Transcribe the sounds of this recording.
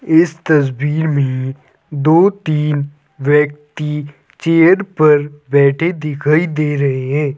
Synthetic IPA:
ɪst̪ɐs̬biːɾmẽ | d̪oːt̪iːn | ʋjɐk̚t̪i | t͡ʃeːəɾpɐɾbɛːʈʰed̪ɪkʰaːid̪eːɾɐɦeɦɛ̃ː

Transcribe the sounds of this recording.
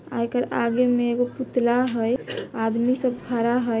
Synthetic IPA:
a̰jkəɾaɡemeːɡoput̪laɦəjad̪misəb̚ɡʱaɾaɦə

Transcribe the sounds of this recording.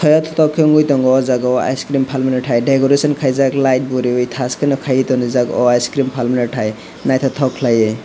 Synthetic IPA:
t̪ʰɔjɔt̪ʰɔt̪ɔkʰiŋɡujt̪ɔŋɡɔd͡zaɡɔa̰jskɾimpʰalminɔʈʰajɖekoɾesɔnkʰajzaklajʈ̚buɾiwojt̪ʰaskinɔkʰajt̪ɔnizaɡɔ̰ajskɾimpʰalminɔʈʰaj | najt̪ʰɔt̪ʰɔkʰlaje

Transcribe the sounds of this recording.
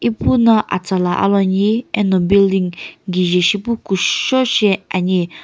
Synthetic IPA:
ipunãʔa̰t͡salaʔa̰lɔɲiɛnɔbild̪iŋɡiʒɛʃipukuʃɔʃɛaɲi

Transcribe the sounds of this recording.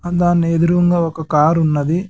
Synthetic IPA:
ɐd̪aːnːeːd̪uɾuʋɐŋɡaːɔkɐkaːɾunːɐd̪i

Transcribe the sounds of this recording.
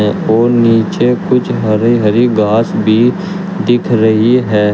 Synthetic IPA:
ɛ̃oːniːt͡ʃekʊt͡ʃʰɦɐɾiɦɐɾiɡaːsbʱi | d̪ɪkʰɾəɦiɦɛː

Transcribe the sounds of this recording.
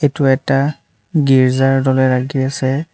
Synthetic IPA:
etuɛta | ɡiɹzaɹdɔlɛɹaɡiasɛ

